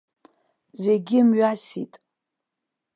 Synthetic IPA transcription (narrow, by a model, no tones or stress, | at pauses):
zeɡʲɪmɥasḭtʼ